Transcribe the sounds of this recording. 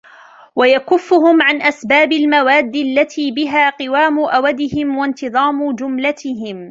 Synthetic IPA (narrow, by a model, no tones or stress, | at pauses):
wajakʊfːʊhʊmʕanʔasbaːbɪlmawaːd̪ːialːat̪ʰiːbɪɦaːqɨwaːmʊʔawad̪ɪhɪmwant̪ɨðˤɑːmʊd͡ʒʊmlat̪ɪɦɪm